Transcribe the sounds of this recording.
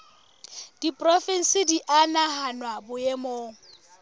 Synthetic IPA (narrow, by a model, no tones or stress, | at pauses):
d̥ipʼrɔfen̩sɪdiʔanaɦanwabʊjemoːŋ̩